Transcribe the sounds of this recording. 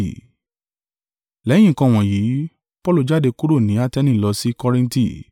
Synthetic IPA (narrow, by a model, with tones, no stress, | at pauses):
lɛ˨˦j̃ĩ˦˨kã˧˨w̃ɔ̃˨jiː˨˦ | pɔ˦lo˦˧˨d͡ʒa˦˨de˧ku˦ɾo˦˨nĩ˨˦a˦tɛ˦nĩ˦˨lɔ˧si˦kɔ˦ɾĩ˧n˦ti˦˨